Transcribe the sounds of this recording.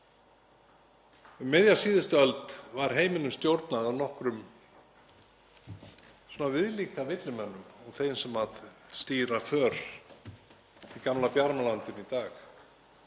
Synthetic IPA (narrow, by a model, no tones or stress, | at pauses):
ʏmːɪðjasiːðɪst̪œlt̪vaɾ̥ɦeːjmɪnʏmst̪jowɾt̪naawnɔhkɾʏm | suːnavɪðliːkavɪt̪lɪmɛnːʏmɔɣθeːjnsɛmaðst̪iːɾafœːɾ̥ | ikamlapjaɾmalant̪ɪnit̪aːx